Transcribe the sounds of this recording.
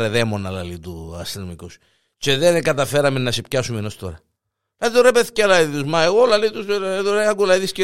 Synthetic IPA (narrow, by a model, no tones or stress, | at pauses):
ɾeðemonɐlɐlit̪uɐst̪enomikos | t͡ʃeðenɡɐt̪ɐfe̞ɾɐmenːɐsepçɐsumenost̪o̞̰ɾɐ | lɐðit̪oɾepeθi̥ceɐlɐit̪uzmɐeɣolɐlit̪ust̪oɾeɐɡulɐiðisce